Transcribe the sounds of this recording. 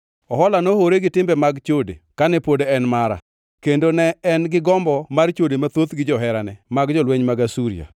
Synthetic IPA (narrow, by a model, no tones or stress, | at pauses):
ɔɦɔlanohoɾeɡɪtɪmbɛmaɡt͡ʃodḛkanɛpodeɛnmaɾa̰ | kendonɛɛnɡɪɡɔmbɔmart͡ʃodemat̪ot̪ɡɪd͡ʒɔɦɛɾanɛmaɡd͡ʒɔlweɲmaɡasuɾj̰a̰